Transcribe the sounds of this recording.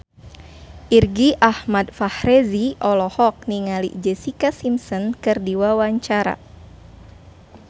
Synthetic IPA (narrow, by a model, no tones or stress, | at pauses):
ʔirɡiʔahmadfahreziɔlɔhɔk̚niŋalḭd͡ʒɛsikasimsɔnkɨrdiwawaɲt͡ʃaɾa̰